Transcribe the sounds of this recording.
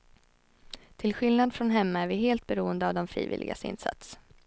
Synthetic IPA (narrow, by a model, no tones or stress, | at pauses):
t̪ʰɪlɧɪlnad̪fɾɔnɦɛmːaæɾvɪɦeːlt̪̚bɛɾuːənd̪əavd̪ɔmfɾḭːvɪ̰lɪ̰ɡa̰sɪ̰nsa̰t̪s